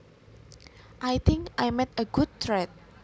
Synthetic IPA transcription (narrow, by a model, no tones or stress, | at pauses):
ʔajt̪ʰɪŋkʔajmɛt̪əɡ̥ud̚t̪ɾɛt̪̚